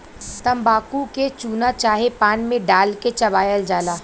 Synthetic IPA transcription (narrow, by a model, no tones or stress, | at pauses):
t̪ɐmbaːkuket͡ʃuːnat͡ʃaːɦepaːnmẽɖaːlket͡ʃɐbaːjəld͡ʒaːlaː